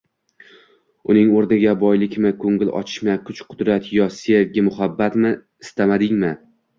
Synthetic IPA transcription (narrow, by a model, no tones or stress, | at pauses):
ʊnɪŋoɾnɪɡʲabɒjlɪkʲmɪkʰoŋɡɪlɒ̰t͡ʃʰɪ̥ʃmakʰʊt͡ʃqʰʊd̪ɾat̪ʰjɒselɡʲɪmʊhabːat̪mɪ | ɪst̪amad̪ɪŋmɪ